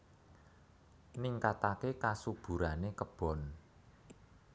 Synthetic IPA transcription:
niŋkat̪akekasub̥ṳɾanekəb̥ɔ̤n

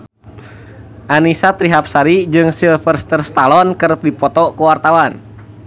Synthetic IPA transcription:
ʔanisat̪ɾiɦap̚saɾid͡ʒɨŋsilfərst̪ərst̪alɔnkəɾəp̚dipɔt̪ɔkəwart̪awan

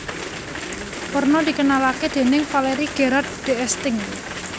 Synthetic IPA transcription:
pərnɔd̪̥ikənalaked̪̥e̤nɪŋfaleɾiɡ̥eɾard̪̚d̪̥eɛst̪ɪŋ

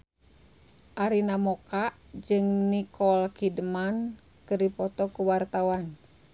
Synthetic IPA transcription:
ʔaɾinamɔkaʔd͡ʒɨŋnikɔlkidəman | kɨrdipɔt̪ɔkuwart̪awan

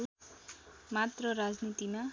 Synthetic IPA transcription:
mat̪rʌɾad͡znit̪ima

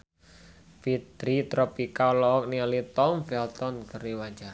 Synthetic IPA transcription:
fid̪ɾit̪ɾɔpikalɔɔk̚niɔlit̪ɔmfɛlt̪ɔnkəɾiwaɲd͡ʒar

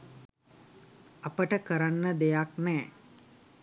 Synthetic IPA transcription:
apəʈəkəɾanːəd̪ejaknɛː

